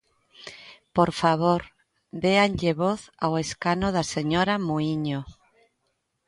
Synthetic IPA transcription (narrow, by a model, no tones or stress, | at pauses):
poɾfaβoɾ | d̪eanʎeβoθaweskanoðaseɲoɾamuiɲo